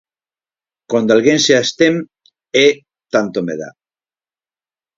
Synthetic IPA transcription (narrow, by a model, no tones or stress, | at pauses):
kwand̪alɣenseast̪em | e | t̪ant̪omeða̰